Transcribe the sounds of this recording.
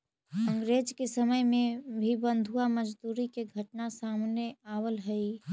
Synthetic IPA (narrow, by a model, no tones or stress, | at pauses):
ə̃ŋɡɾeːd͡ʒkesəməjmẽbʱibə̃nd̪ʱuamɐd͡ʒd̪uːɾikeɡʱɐʈnasaːmneaːwəlɦəi